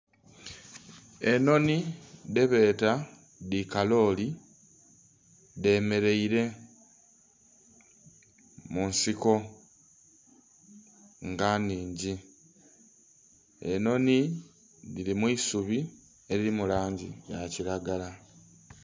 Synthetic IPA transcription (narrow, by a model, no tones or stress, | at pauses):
e̞no̞nide̞βe̞ːta | dikalo̞ːli | de̞me̞ɾe̞iɾe̞ | munsiko̞ | ŋɡaniːɲɟi | eno̞ni | ðilimwiːsuβi | e̞ɾiɾimulaːɲɟijaciɾaɡala